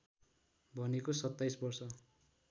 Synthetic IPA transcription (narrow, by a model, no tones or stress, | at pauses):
bʱʌnekosʌt̪ːajsbʌrsʌ